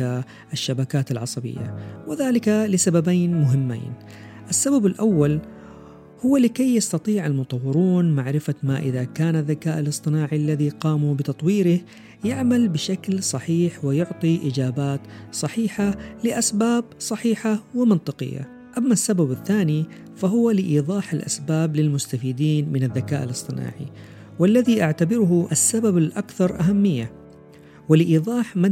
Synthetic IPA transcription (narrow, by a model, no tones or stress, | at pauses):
a | ʔɪʃːabakaːt̪alʕɑsˤɑbɪ̰jːa̰wɪðaːlɪkalɪsababaːnmʊɦɪmːa̰ːn | ʔɪsːababalʔawːal | hʊwːalɪkajːast̪ɑt̪ˤiːʕalmʊt̪ˤɑwːɪɾuːnmaʕɾɪfamaʔɪðakaːnaðːakaːʔalɨsˤt̪ˤɨnaːʕialːaðiqɑːmubɪt̪ɑt̪ˤwiːɾɪh | jɪʕmalbɪʃaklsˤɑħiːħwɪjʊʕt̪ˤiʔɪd͡ʒaːbaːt̪sˤɑħiːħalɪʔasbaːb̚sˤɑħiːħawɪmɪnt̪ˤɨqɪ̰jːa̰ | ʔamːasːababaθːaːni | faɦʊwalɪʔiːðˤɑːħalʔa̰sbaːblɪlmʊst̪afiːd̪iːnmɪnaðːakaːʔa̰lɨsˤt̪ˤɨna̰ːʕḭ | wɪlːaðiʔaʕt̪abɪɾʊhʊʔasːababalʔakθɑɾˤʔaɦamːɪjːa | wɪlɪʔiːðˤɑːħma